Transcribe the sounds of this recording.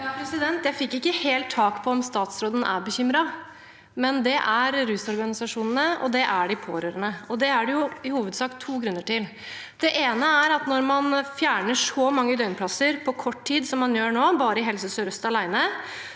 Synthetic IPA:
jɑpɾɛsɪd̪ɛnt̪jæɪfɪkːɪkːəheːlt̪ʰːɑːkpʰɔɔmst̪ɑːt̪sɾoːd̪ənʔæ̰ɾbəçʏmɾɑ | mɛnd̪ɛʔæɾɾʉːsɔɾɡɑnɪsɑʂuːnənəɔ̰d̪ɛʔæɖɪpʰo̰ːɾøːɾənəɔd̪ɛæɖɛjʊɪhuːʋəd̪sɑːkt̪ʰːuːɡɾʉnːəʈɪl | d̪̥ɛʔeːnəæɾɑt̪nɔɾmɑnfjæːɳəʂɔmɑŋːəd̪œʏnpʰlɑsəɾpʰɔkʰɔʈːʰiːd̪sɔmːɑnjøːɳoːbɑːɾəɪɦɛlsəsɔɾœst̪ɑlæɪnə

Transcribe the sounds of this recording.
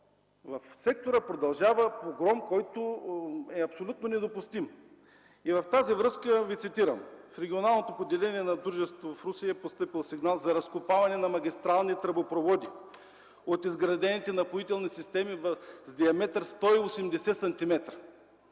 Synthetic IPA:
vɐfsɛk̚t̪oɾəpɾod̪ɐlˠʒavəpoɡɾɔmkɔjt̪oɛɐpsolʲut̪̚nonɛd̪opʊst̪im | ivɐft̪azivɾɤskəvit̪sit̪iɾɐmfɾɛɡʲionalˠnot̪opod̪ɛlɛniɛnɐd̪ɾuʒɛst̪voɐfɾusiəpost̪ɤpilˠsiɡnalˠzɐɾɐskʊpavɐnɛnɐmɐɡʲist̪ɾalˠnit̪ɾɐbopɾovɔd̪i | ot̪izɡɾɐd̪ɛnit̪ɛnɐpoit̪ɛlˠnisist̪ɛmivzd̪ʲiɐmɛt̪ɾst̪ɔiosɛmd̪ɛsɛsɐnt̪imɛt̪ɾə̥

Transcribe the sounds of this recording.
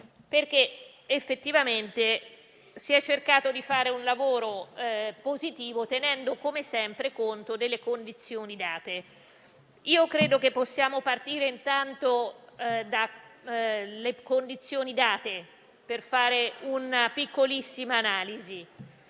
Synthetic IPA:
perk̟eː | fːet̪ːivament̪e | siɛt͡ʃːerkaːt̪od̪ifaːɾeunlavoːɾopozit̪iːvot̪enɛnd̪okomesɛmpɾekont̪od̪elːekond̪it̪sːjoːnid̪aːt̪e | iːokɾeːd̪ok̟epːosːjaːmopart̪iːɾeint̪ant̪o | d̪a | lekond̪it̪sːjoːnid̪aːt̪e | perfaːɾeunapikːolisːimaːnaːlizi

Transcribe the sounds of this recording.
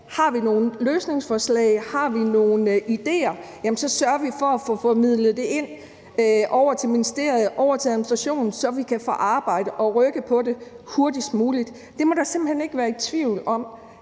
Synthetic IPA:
hɑ̈ʋino̝ːn̩løːsne̝ŋsfɒslɛ̰ɪhɑ̈ʋino̝ːn̩id̥e̝̰ːɐjæmn̩sɒ̽sɶɐɐʋifɒæfɔfɔmið̞̰ˠləð̩ˠd̥e̝e̝n̰ | ʔɒʊɐt͡sʰe̝lminisd̥e̝ɐ̰ð̩ˠʔɒʊɐt͡sʰe̝æðˠminisd̥ʁaɕo̝̰ːnn̩sɒ̽ʋikʰæfɔ̰ʔɑ̈ːb̥ɑ̈ɪ̰d̥əʔɒ̽ʁœɡ̥əpʰɒ̽de̝ | ho̝ɐd̥isd̥muːlid̥ːd̥e̝mɒɾ̥ɑ̈se̝mb̥l̩hene̝ɡ̥ʋæːɐidt͡sʰʋiʊ̰lɒ̽m̰

